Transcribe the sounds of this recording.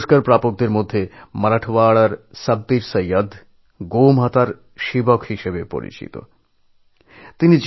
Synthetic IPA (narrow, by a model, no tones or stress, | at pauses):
ʃkaɾpɾapok̚d̪eɾmod̪ʱːemɐɾaʈʰʋaɭaɾsɐb̚d̪iɾsɐjəd̪ʱ | ɡomɦat̪aɾ | ʃibɔkɦiʃebepo̰ɾḭt͡ɕḭt̪o̰ | t̪inid͡ʑ